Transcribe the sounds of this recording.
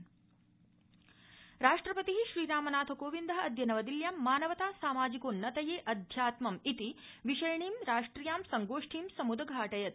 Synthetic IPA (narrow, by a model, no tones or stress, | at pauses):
ɾaːʂʈɾɐpɐt̪iɦiʃɾiːɾaːmɐnaːt̪ʰɐkoːʋind̪ɐɦɐɐd̪jɐnɐʋɐd̪iljaːmːaːnɐʋɐt̪aːsaːmaːd͡ʒikoːnːɐt̪ɐjeːʔɐd̪ʱjaːt̪mɐmit̪iʋiʃɐjɐɳiːmɾaːʂʈɾijaːmsɐŋɡoːʂʈʰiːmsɐmud̪ɐɡʱaːʈɐjɐt̪